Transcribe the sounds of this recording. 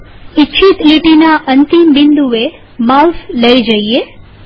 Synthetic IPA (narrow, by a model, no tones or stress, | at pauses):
itːʃʰit̪liʈinaʔənt̪imbind̪uʋe | mausləid͡ʒəie